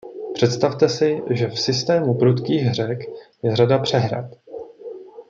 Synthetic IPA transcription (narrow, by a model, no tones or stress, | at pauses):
pr̥ɛt̪st̪aft̪ɛsɪʒɛfsɪst̪ɛːmupɾut̪kiːɣɦr̝ɛkjɛradapr̝̥ɛɦɾa̰t̪